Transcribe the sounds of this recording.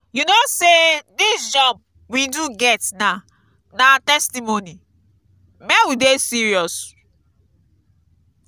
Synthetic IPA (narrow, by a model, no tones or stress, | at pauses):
junosedisd͡ʒɔb̚ | widuɡɛtna | natɛstimoni | mɛ̃widesiɹiɔs